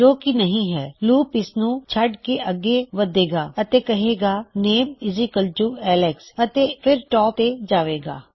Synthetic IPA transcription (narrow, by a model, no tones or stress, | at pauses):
d͡ʒoːkinəɦĩːɦɛːluːpɪsnũːt͡ʃʰəɖkeʔəɡeʋəd̪eːɡaːət̪ekɐɦeːɡaːneːmɪzikəlt͡ʃuːɛːlɛksɐt̪epʰɪɾʈɔːpt̪ed͡ʒaːʋeːɡa̰ː